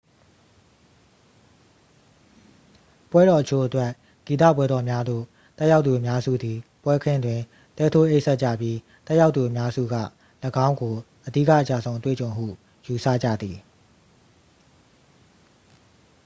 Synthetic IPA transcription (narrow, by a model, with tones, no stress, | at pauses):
pwɛ˦ɾɔ˨ʔət͡ɕʰo˦˨ʔətwɛ˦ | ɡ̥i˨t̪a̰˦˨pwɛ˦dɔ˨mja˦d̪o̰˦˨ | t̪ɛ˦ja˦ʊt̪u˨əmja˦zṵ˦˨d̪i˨pwɛ˦kʰɪ̃˦˨ndwɪ̃˨ | t̪ɛ˦tʰo˦ʔe˦ɪʔsɛ˦ʔ̚t͡ɕä̰˦˨pji˦ | t̪ɛ˦ʔja˦ʊt̪ːu˨ʔəmja˦zṵ˦˨ɡä̰˦˨ | ləɡã˦ʊ̃ŋɡo˨ | ʔədḭ˦˨kä̰˦˨ət͡ɕa̰˦˨zõ˨ʊ̃ətwḛ˦˨t͡ɕõ˨ʊ̃m̥ṵ˦˨ | ju˨sa̰˦˨d͡ʑa̰˦˨d̪i˨